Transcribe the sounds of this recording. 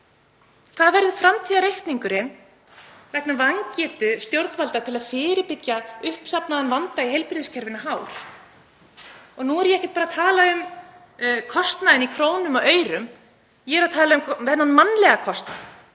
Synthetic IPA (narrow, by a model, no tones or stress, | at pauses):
θaðvɛɾðʏfɾamt̪ʰiːðaɾejht̪niŋkʏɾɪn | vɛknavaŋcɛːt̪ʏst̪jowɾt̪nvalt̪at̪ʰɪlaðfɪːɾɪpɪcjaʏhpsapnaðanvant̪aiɦejlpɾɪðɪscʰɛɾvɪnaɦaːwɾ̥ | ɔɣnuɛɾjɛɛhcɪ̥t̪paːɾat̪ʰaːlaʏm | kʰɔst̪naðɪnikʰɾoːwnʏmɔœːɥɾʏm | jɛɾaðt̪ʰaːlaʏmvɛnanmanːlɛɣakʰɔst̪na̰